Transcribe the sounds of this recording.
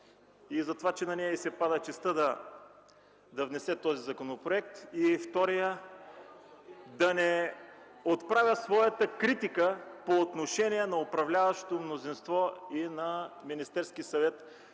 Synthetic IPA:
izɐt̪ovat͡ʃɛnɐnɛjəisɛpad̪ət͡ʃɛst̪əd̪ɐ | d̪ɐvnɛsɛt̪ɔzizɐkonopɾoɛk̚t̪ift̪ɔɾijə | d̪ɐnɛ | ot̪pɾavʲəsvɔjɐt̪əkɾit̪ikəpoːt̪noʃɛniɛnɐopɾɐvlʲavɐʃt̪omnozinst̪vɔinɐminist̪ɛɾskisɐvɛt̪

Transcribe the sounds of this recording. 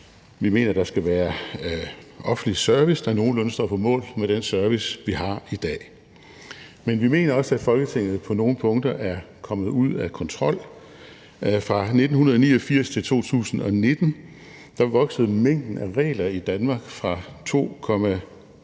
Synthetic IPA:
ʋime̝̰ːnɐd̥ɑ̈sɡ̥æʋæːɐ | ʔɒ̽fn̩lisɶɐʋisd̥ɑ̈no̝ːn̩lɔnsd̥ɒ̰ːpʰɒ̽mɔ̰̽ːlmeɾ̥ensɶɐʋisʋiɦɑ̈id̥ɛ̰ː | menʋime̝̰ːnɐɒ̽sæ̥fɒ̽lɡ̥ət͡sʰe̝ŋ̰ð̩ˠpʰɒ̽no̝ːn̩pʰɔ̽ŋd̥ɐʔæɐ | kʰɒ̽mð̩ˠuð̰ˠækʰɒ̽nt͡sʰʁɒ̽l̰ | fʁɑ̈ne̝d̥n̩hunɐð̞ˠnḭːɒfiɐ̰st͡sʰe̝lt͡sʰo̝̰ːt͡sʰṵːsn̩ɒ̽ne̝d̥n̩ | d̥ɑ̈ʋɒ̽ɡ̥səð̞̩ˠmeŋ̰d̥n̩æʁɛ̰ːlɐid̥ænmɑ̈ːɡ̥fʁɑ̈t͡sʰo̝̰ːkʰɒ̽mæ

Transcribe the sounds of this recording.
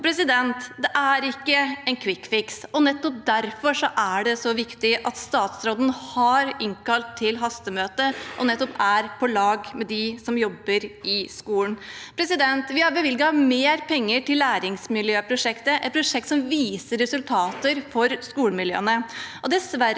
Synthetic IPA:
pʰɾɛsɪd̪ɛnt̪d̪ɛʔæɾɪkːəɛnkʰʋɪkːfɪksɔnɛt̪ːɔp̚d̪æɾfɔʂɔʔæɖɛsɔʋɪkt̪ɪʔɑt̪st̪ɑːt̪sɾoːd̪n̩hɑɾɪŋkɑlt̪ʰːɪlɦɑst̪əmøːt̪əʔɔnɛt̪ːɔpæɾpʰɔlɑːɡmɛd̪ɪsɔmjɔbːəɾɪskuːln̩pʰɾɛsɪd̪ɛnt̪ʋɪhɑɾbəʋɪlɡɑmeːɾpʰɛŋːəʈɪlːæːɾɪŋsmɪljøːpʰɾʊʂɛkt̪əʔɛ̰t̪̚pʰɾʊʂɛk̚t̪sɔmʋiːsəɾɾɛsʉlt̪ʰɑːt̪əɾfɔɾskuːlmɪljø̰ːənəʔɔd̪ɛsʋæ

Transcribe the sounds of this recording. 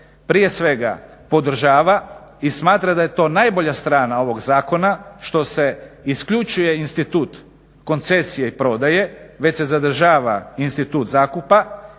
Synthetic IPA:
pɾije̞sʋe̞ɡa̰ | po̞d̪ɾ̩ʒaːʋaismaːt̪ɾad̪aje̞t̪o̞ːnaːjbo̞ʎast̪ɾaːnao̞ʋo̞ɡzaːko̞naʃt̪o̞se̞iskʎut͡ʃuje̞inst̪it̪uːt̪ | ko̞nt̪se̞sije̞ipɾo̞d̪aje̞ʋe̞t͡ɕse̞zad̪ɾ̩ʒaːʋa̰inst̪it̪uːt̪zaːkupa

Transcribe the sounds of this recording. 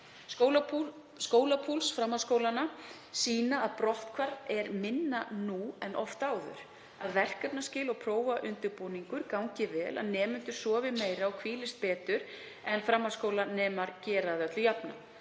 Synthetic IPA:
owlau | skoːwlapʰulsfɾamːaðskoːwlana | siːnaaðpɾɔht̪kʰvaɾtɛɾmɪnːanuɛnʔɔft̪aːwðʏ̰ɾ̥ | aðvɛr̥kœpnascɪːlɔɣpʰɾoːwvaʔʏnt̪ʏɾpowniŋkʏɾkawɲcɪvɛːla̰ðnɛːmʏnt̪ʏɾ̥sɔːvɪmeːjɾaɔɣkʰviːlɪst̪̚pɛːt̪ʏɾ̥ | ɛnfɾamːaskowlanɛːmaɾcɛːɾaðœt̪lʏjapna̰

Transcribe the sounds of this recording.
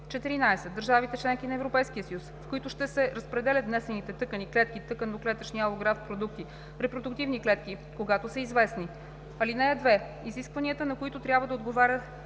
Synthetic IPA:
t͡ʃɛt̪iɾinajsɛt̪̚d̪əɾʒavit̪ɛt͡ʃlɛŋk̟inɐɛvɾopɛjskiəsjusfkoit̪ʊʃt̪ɛsɛɾəspɾɛd̪ɛlʲət̪vnɛsɛnit̪ɛt̪ɤkəniklɛt̪̚k̟it̪ɤkənd̪oklɛt̪əʃniɐlˠoɡɾafpɾod̪uk̚t̪i | ɾɛpɾod̪ʊkt̪ivniklɛt̪k̟i | koɡat̪osəizvɛsni | ɐlinɛːd̪vɛ | iziskvɐniət̪ənɐkoit̪ʊt̪ɾʲabvəd̪ɐod̪ɡovaɾʲət̪

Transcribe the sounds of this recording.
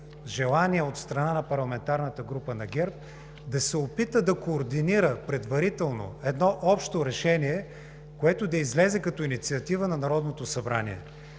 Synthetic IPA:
ʒɛlˠaniəot̪st̪ɾɐnanɐpɐɾlˠɐmɛnt̪aɾnət̪əɡɾupənɐɡʲɛɾp̚ | d̪ɐsɛopit̪əd̪ɐkoːɾd̪iniɾəpɾɛd̪vɐɾit̪ɛlˠno̰ɛd̪nɔʔɔpʃt̪oɾɛʃɛniɛ | koɛt̪ʊd̪ɐizlɛzɛkɐt̪ɔinit̪siɐt̪ivənɐnɐɾɔd̪not̪osɐbɾanḭɛ̰

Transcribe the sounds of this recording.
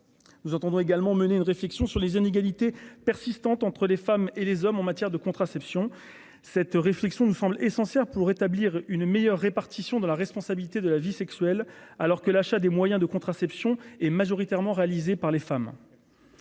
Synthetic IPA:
nuzɑ̃t̪ɑ̃d̪ɔ̃eɡalmɑ̃məneynʁeflɛksjɔ̃syʁlezineɡalit̪epɛʁsist̪ɑ̃t̪ɑ̃t̪χəlefamelezɔmɑ̃mat̪jɛʁd̪əkɔ̃t̪χasɛpsjɔ̃ | sɛt̪ʁeflɛksjɔ̃nusɑ̃blesɑ̃sjɛʁpuʁet̪abliʁynmejœʁːepaʁt̪isjɔ̃d̪ɑ̃laʁɛspɔ̃sabilit̪ed̪əlavisɛksɥɛlalɔʁkəlaʃad̪emwajɛ̃d̪əkɔ̃t̪χasɛpsjɔ̃ɛmaʒɔʁit̪ɛʁmɑ̃ʁealizepaʁlefam

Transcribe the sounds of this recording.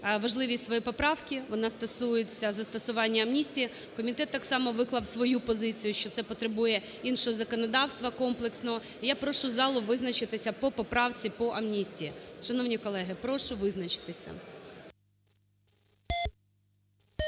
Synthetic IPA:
ʋɐʒlˠɪʋʲisʲtʲsʋɔjipɔpɾɑwkʲiʋɔnɑst̪ɐsujet͡sʲɐzɐst̪ɐsʊʋɑnʲːɐɐmnʲisʲtʲiji | kɔmʲit̪ɛt̪ːɑksɑmɔʋɪklˠɐwsʋɔjupɔzɪt͡sʲijʊʃt͡ʃɔt̪sɛpɔt̪ɾebujɛ | inʃɔɦɔzɐkɔnɔd̪ɑwst̪ʋɐkɔmplˠeksnɔɦɔ | ijapɾɔʃʊzɑlˠʊʋɪznɐt͡ʃɪt̪ɪsʲɐpɔpɔpɾɑwt͡sʲipɔʔɐmnʲisʲtʲijːʃɐnɔwnʲikɔlˠɛɦɪpɾɔʃʊʋɪznɐt͡ʃɪ̥t̪ɪsʲɐ̰

